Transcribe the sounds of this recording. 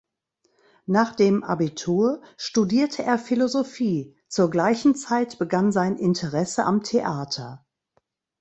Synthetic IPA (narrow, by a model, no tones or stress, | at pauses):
naːχd̥eːmʔa̰bitʰuːɐʃtudiːɐtʰəʔeːɐfilozofiː | t͡suːɐɡlaɪçn̩t͡saɪtb̥əɡanzaɪnʔɪntʰəʁɛsəʔamtʰeʔaːtʰɐ